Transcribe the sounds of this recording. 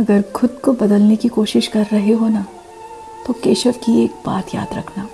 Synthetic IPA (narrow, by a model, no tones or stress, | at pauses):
ɐɡəɾxʊd̪kobɐd̪əlnekikoːʃɪʃkɐɾːɐɦeɦona | t̪okeːʃəfkieːk̚ba̰ːt̪ja̰ːd̪ɾɐkʰnaː